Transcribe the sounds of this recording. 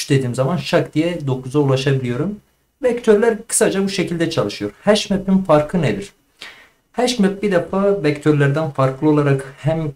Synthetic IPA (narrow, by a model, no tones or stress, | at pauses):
ʃd̪e̞d̪iːmzamanʃakd̪ijɛd̪o̞kʰuzaulˠaʃabilʲijo̞ɾum | vɛct̪ʰøɾlʲæɾkʰɯ̥sad͡ʒabuʃecʰilʲd̪ɛt͡ʃʰalˠɯʃɯjo̞ɾhæʃmɛpinfaɾkʰˠɯned̪iɾ̥ | hæʃmɛp̚bid̪efaːvɛct̪ʰøɾlʲæɾd̪ænfaɾklˠɯo̞lˠaɾakhæm